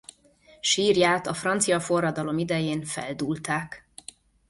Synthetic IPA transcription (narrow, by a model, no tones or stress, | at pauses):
ʃiːrjaːt̪ɒfrɒnt̪sijɒfo̞rːɒd̪ɒlo̞mid̪ɛjeːnfɛ̰ld̪uːlt̪aːk